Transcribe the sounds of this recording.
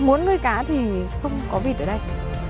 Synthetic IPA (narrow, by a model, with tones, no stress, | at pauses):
mu˨˦ənŋɨ˧əjkaː˨˦t̪ʰi˨˩xə˧wŋ͡mkɔ˨˦vi˨˩ɗəː˧˩ɗə˧j